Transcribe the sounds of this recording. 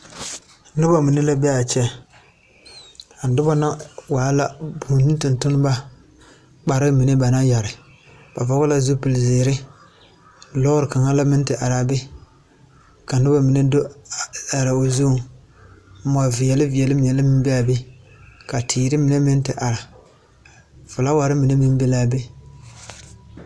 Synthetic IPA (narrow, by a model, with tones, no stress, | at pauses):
nʊ˦ba˦mi˨nɪ˦la˦bɛ˦a˨t͡ʃɛ˦ | a˨n˨dʊ˦ba˦na˦waː˨˦la˦bu˨ɲi˦tɨ˨ntʊ˦nɨ˦ba˦ | k͡pa˨ɾɪ˦mi˨nɪ˦ba˨na˦ja˨ɾɪ˨ | b̥a˨va˨˦ɣʊ˦la˦zu˦pɨ˨lzeː˨˦ɾɪ˦ | lɔ˦ʊ˦ɾɨ˨ka˨ŋa˦la˦mɪ˦n˦tɪ˨ʔa˨ɾa˨bɪ˦ | ka˨nɨ˦ba˦mi˨nɛ˦do˦˨a˨ɾa˨o˨zu˦˨˦ | ma˨vɪ˨jɛ˨lɪ˦vɪ˨ɛ˨lɪ˦m˨ɛ˨lɪ˦mɪ˦m˦bi˦a˨bɪ˦ | ka˨tʰiː˨ɾɪ˦mi˨nɛ˦mɪ˦n˦tɪ˨ʔa˨ɾa˨ | fʊ˨la˦wa˨ɾɪ˦mi˨nɛ˦mɪ˦n˦be˦laː˦be˦